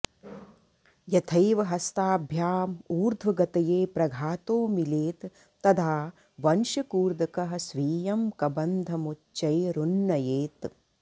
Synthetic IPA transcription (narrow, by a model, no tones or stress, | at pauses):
jɐt̪ʰɐjʋɐɦɐst̪aːbʱjaːmuːɾd̪ʱʋɐɡɐt̪ɐjeːpɾɐɡʱaːt̪oːmileːt̪ː | ɐd̪ʰaː | ʋɐnʃɐkuːɾd̪ɐkɐɦɐsʋiːjɐmkɐbɐnd̪ʱɐmut͡ʃːt͡ʃːɐjɾunːɐjeːt̪